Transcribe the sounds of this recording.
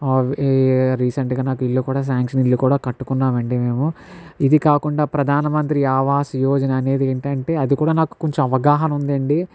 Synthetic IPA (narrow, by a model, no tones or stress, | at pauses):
ʋɾiːsɐɳʈɡaːnaːkuilːukuːɽaːs̬aːŋkʂɐnilːukuːɽaːkɐʈːukunːaːmɐɳɖime̞ːmu | id̪ikaːkuɳɖaːpɾɐd̪ʱaːnɐmɐnt̪ɾiaːʋaːsjoːd͡ʒɐnɐːne̞ːd̪ieːɳʈɐɳʈe̞ːɐd̪ikuːɽaːnaːku̥koɲt͡ʃomɐʋɐɡaːɦɐnɐund̪ɐɳɖi